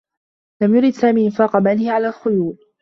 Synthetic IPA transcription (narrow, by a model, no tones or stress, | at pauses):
lamjʊɾɪd̪saːmiːʔɪnfaːqɑmanɪhɪʕalaːlxʊjuːd